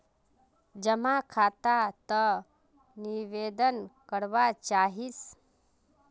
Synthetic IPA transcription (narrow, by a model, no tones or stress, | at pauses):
d͡ʒəmakʰat̪at̪ə | niʋed̪ənkəɽʋat͡ʃaɦis